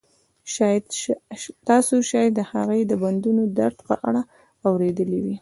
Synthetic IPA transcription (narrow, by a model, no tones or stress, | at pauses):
t̪ɑsoʃɑj̪d̪əhaɣəjd̪əband̪unod̪aɾt̪pə̰ʔaɽa | awɾed̪əliwi